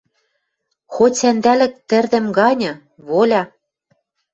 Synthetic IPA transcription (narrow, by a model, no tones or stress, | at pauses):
xosænd̪ælɘ̆k̚t̪ɘ̆rd̪ɘ̆mɡɑnʲɤ̆ | βolʲɑ